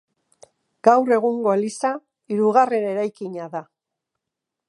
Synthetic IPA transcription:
ɡ̥awre̞ɣuŋɡo̞lisa | iɾuɣ̞are̞ne̞ɾajkiɲaða

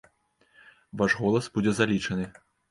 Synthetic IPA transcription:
vaʐɣɔlˠɐsbud͡zʲɛzalʲit͡ʂɐnɨ

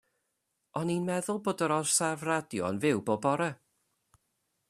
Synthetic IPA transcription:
ɔninmɛðʊlˠboːdəɾɔr̥savradjɔɔnvɪwboːbɔɾɛ

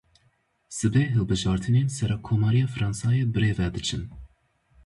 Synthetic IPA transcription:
sɨbeːɦɨlbɨʒɑːɾt̪ʰɨneːnsɛɾɑːkʰoːmɑːɾijɑːfɾɑːnsɑːjeːbɨɾeːvɛd̪ɨt͡ʃʰɨn

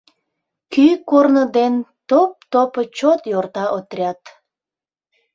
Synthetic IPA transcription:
kykornəd̪ent̪op̚t̪opət͡ɕot̪jort̪ɑʔot̪rʲɑt̪

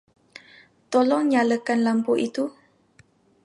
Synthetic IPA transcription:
t̪ɔlɔŋɲaləkanlampuʔit̪u

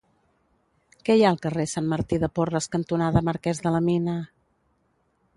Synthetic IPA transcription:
kɛjaəlˠkəresanməɾt̪iðəporəskənt̪unaðəməɾkɛzðələminə

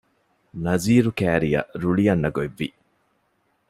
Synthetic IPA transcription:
nɐziːɾukæːɾijɐ̰ɾuɭijɐnːɐɡoeʋːḭ

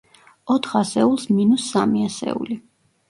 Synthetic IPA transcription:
ɔt̪ʰχasɛulˠsminusːamiasɛ̰ṵli

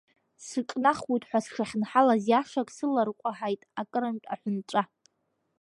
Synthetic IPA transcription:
sɨkʼnaχwujtʼħʷᶣasʂaχʲnħalazjaʂakʼsɨlarqʷʼaħajtʼakʼɨɾɨntʲʼaħʷʊnt͡ʃʷʼa

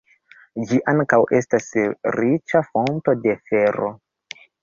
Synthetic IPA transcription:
d͡ʒiʔaŋkawʔe̞stasɾit͡ʃafo̞nto̞de̞fe̞ɾo̞̰

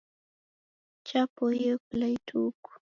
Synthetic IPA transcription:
t͡ʃapojəklajtʰuːkʊ̥

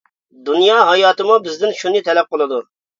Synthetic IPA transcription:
d̪unjɑːɦɑjɑːt̪ɨmubɪzd̪ɪnʃunɨt̪ʰɛlɛp̚qəlˠɨd̪u

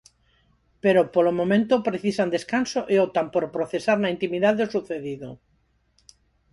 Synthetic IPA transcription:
peɾopolomõmẽnt̪opɾeθisand̪eskansoʔeot̪ampoɾpɾoθesaɾnaint̪imiðaðeosuθeðiðo

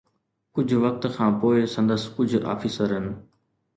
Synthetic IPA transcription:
kʊd͡ʑʱʋɐk̚t̪kʰãːpoːɪsɐ̃nd̪əskʊd͡ʑʱa̰ːfiːsəɾɦənɪ̆

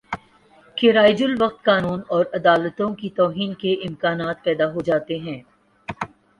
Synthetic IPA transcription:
keɾaːɪd͡ʒʊlʋɐq̚t̪kaːnuːnɔːɾɐd̪aːlət̪õkit̪ɔːɦiːnkeʔɪmkaːnaːt̪̚pɛːd̪aɦod͡ʒaːt̪eɦɛ̃ː

